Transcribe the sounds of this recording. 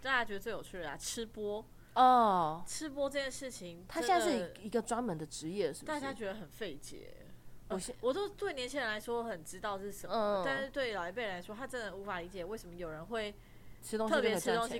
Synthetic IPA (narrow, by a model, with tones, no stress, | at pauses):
t̪a˥˩t͡ɕja˥t͡ɕɥd̪ə˨t͡swe˥˩jo˨˩t͡ɕʰy˥˩ə˩a̰˨˩ʈ͡ʂ̩ʰ˥pwɔ˥ | ɔ˥˩ʈ͡ʂʰɻ̩˥p̬wɔ˥ʈ͡ʂɤ˥˧t͡ɕjɛ˥˧nʂɻ̩˥˩t͡ɕʰi˧˩ŋt̪ʰa˥jna˥˧˩ʂ̩˥˩i˧˥ɡə˧ʈ͡ʂwa˥nmə˧˦nd̪ə˨ʈ͡ʂɻ̩˧˥jɛ˥˩ʂɻ̩˥˩t̪a˥˩t͡ɕja˥t͡ɕɥɛ˧˥d̪ə˧˨xə˨˩nfe˥˩ɪt͡ɕjɛ̰˧˦ | ɔ˨˩wɔ˨˩t͡ɕjo˥˧ʊt̪we˥˩ɪnjɛ˧˥nt͡ɕʰĩ˥ɻə˧nla˧˥ɪʂwɔ˥wxə˨˩nʈ͡ʂɻ̩˥t̪ɑ˥˧ʊ˥˩ʂə˨˩˦t̪a˥˧nʂɻ̩˥˧t̪we˥˩ɪlɑ˨˩e˧˥˩pe˥˩ɻla˧˥ɪʂwɔ˥t̪ʰa˥ʈ͡ʂə˧˥nd̪ə˧˩u˧˥fa˨˩li˧˥t͡ɕjɛ˨˩˦we˥˩ɪʂə˧˥mə˧jo˨˩ɻə˧˦nxwe˥˩ɪ˥ | t̪o˥ŋt̪ʰɤ˥˩pjɛ˥˩˥o˥ŋɕi˧˥